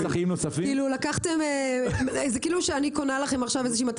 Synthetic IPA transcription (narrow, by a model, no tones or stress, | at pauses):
saχimnosafikiːlulakaχt̪e̞me | zekiːluʃeanikonalaχe̞maχʃavezeʃiːmat